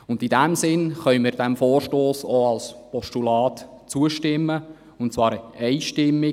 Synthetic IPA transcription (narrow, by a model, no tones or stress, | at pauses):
ʊndidæmsɪnχœʏmɪːɾdæmfoːrʃtoːsoɑlspɔstulɑːt | t͡suəʃtɪmːə | ʊntt͡svɑːɾəɛɪʃtɪmːɪ